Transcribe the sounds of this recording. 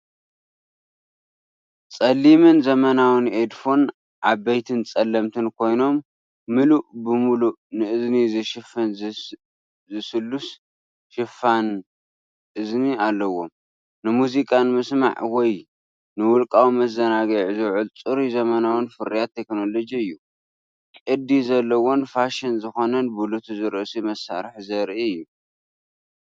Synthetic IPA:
t͡sʼɐlːimɨnzɐmɐnawɨned̪fo̞n | ʔaβbejt̪ʰɨnt͡sʼɐlːɐmt̪ʰɨnkʰo̞jno̞mː | ɨluʔbɨmulunɨʔɨznizɨʃɪfɐn | zɨsɨlːus | ʃɪfan | ʔɨznialːɐwo̞m | nɨmuzikʼanmɨsma̰ʕwɔj | nɨwʊlkʼawimɐzɐnaɡɐʕzɨwʕɨlt͡sʼɨɾizɐmɐnawɨnfɨɾijat̪ʰːekno̞lo̞d͡ʒiɨjːu | kʼɨd̪izɐlːɐwo̞nfaʃɪnzɨxo̞nɐnbulut̪ʰuzɨɾʔɨsimɐsa̰ɾħzɐɾʔiɨjːu

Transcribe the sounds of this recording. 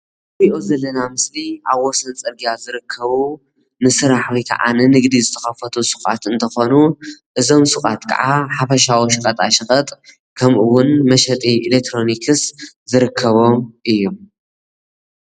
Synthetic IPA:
βiʔozɐlːɐnamɨsliaβwɔsɐnt͡sʼɐɾɡijazɨɾɨkʰːɐβu | nɨsɨɾaħwikʰɐ̰ʕʔa̰nɨnɨɡd̪izɨt̪ʰɐxɐfɐt̪ʰusɨχʼa̰t̪ɨnt̪ʰɐxo̞nuʔɨzo̞msɨχʼat̪kʰɐ̰ʕaħafɐʃ̬awoʃkʼɐt̪ʼaʃɨxʼɐt̪ʼ | kʰɐmʔɨwʊnmɐʃɐt̪ʼiʔilek̚t̪ʰɾo̞nikʰɨs | zɨɾɨkʰːɐβo̞ʔɨjːom

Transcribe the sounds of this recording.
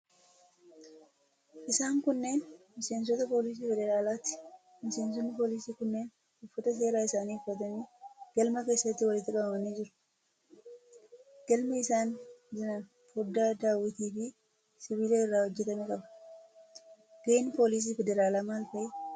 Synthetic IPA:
ʔɪsaːŋkʊnːe̞ːnmɪse̞ːns̬ɔt̪ɐpo̞ːlɪs̬iːfɛd̪ɛɾaːlaːt̪ɪ̥ | mɪse̞ːns̬ɔnːɪpo̞ːlɪsiːkʊnːeːn | ʊfːɐt̪ɐs̬e̞ːɾaːɪsaːniːʊfːɐt̪ɐniːɡ̥ɐlmɐke̞ːsːɐt̪ːɪwɐlɪt̪ːɪkʼɐbɐmɐniːd͡ʒɪɾʊ̥ | ɡ̥ɐlmɛɪsaːnd͡ʒɪnɐ | fʊd̪ːaːd̪aːwɪt̪iːfɪ | sɪβiːleːɪrːaːhɔd͡ʒːɛt̪ɐmɛkʼɐbɐ̥ | ɡ̥eːnpo̞ːlɪs̬iːfɛd̪ɛɾaːlaːmaːlfɐʔɛ

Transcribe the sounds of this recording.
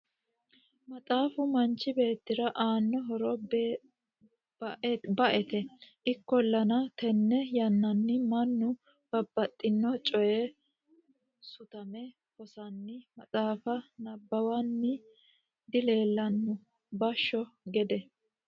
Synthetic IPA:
mɐt͡sʼaːfʊmɐnt͡ʃːɪbe̞ːt̪ːɪɾɐʔaːnːɔɦɔɾɔb | bɐʔɛt̪ɛʔɪkːɔlːɐnɐt̪ɛnːɛjɐnːɐnːɪmɐnːʊ | b̥ɐbːɐt̪ʼːɪnːɔt͡ʃʼɔjɛ | sʊt̪ɐmɛ | fɔsɐnːɪmɐt͡sʼaːfɐnɐbːɐwɐnːɪ | d̪ɪle̞ːlːɐnːʊ | bɐʃːɔɡɛd̪ɛ

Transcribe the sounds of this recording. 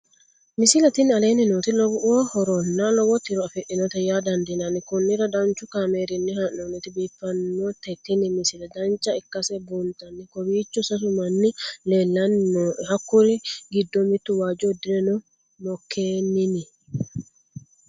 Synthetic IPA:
mɪsɪlɐt̪ɪnɐleːnɪnot̪ɪlɔwɔhɔɾɔnːaːlɔwɔt̪ːɪɾɔɐfɛʔɪnɔt̪ɐjaːd̪ɐnd̪ɪnɐnɪkʊnːɪɾɐd̪ɐnt͡ʃʊkaːmeːɾɪnːɪhɐnːonɪt̪ɪbiːfːɐnːot̪ɛt̪ːɪnɪmɪsɪlɐd̪ɐnt͡ʃːɐɪkːɐsɛbuːnt̪ɐnːɪkɔbiːt͡ʃːʊsɐs̬ʊmɐnːɪleːlːɐnːohɐkːʊlɪɡɪd̪ːomɪt̪ːʊwaːd͡ʒɔd̪ɪɾɛnʊ | mɔkʰːeːnːɪnɪ

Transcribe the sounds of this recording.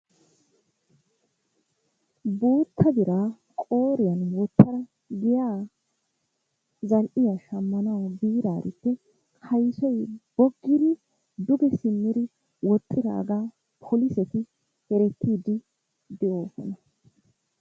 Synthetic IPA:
boːt̪ʰːɐd̪ɪɾaː | kʼo̞ːɾɪjɐnwɔt̪ːɐɾɐ | ɡɪjaː | zɐlʔɪjaɐʃɐmːɐnɐwbiːɾaːɾɪt̪ːɛ | hɐjsɔjb̥ɔɡːɪd̪ɪ | d̪ʊɡɛsɪmːɪd̪ɪ | wɔt͡sʼːɪɾa̰ːɡaː | pʰɔlɪsɛt̪ɪ | hɛɾɛt̪ʰːiːd̪ɪ | d̪ɛʔoːfɔ̰nɐ

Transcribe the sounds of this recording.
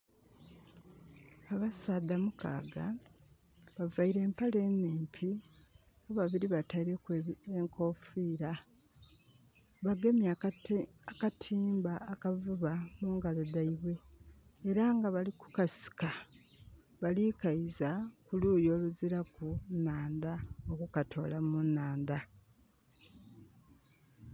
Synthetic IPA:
aβasaːd̪amukʰa̰ːɡa | βavaiɾe̞ːmpale̞neːmpʰi | oβaβiɾiβataiɾekeŋkʰo̞fiːɾa | βaɡe̞mja | akatʰiːmbaːkavuβamuːŋɡalodaiβwe̞ː | ɾaŋɡaβaliku̥kasi̥ka | βalikaizakuluːjo̞ːluziɾakunaːnd̪aokukatʰo̞̰lamunaːnd̪a

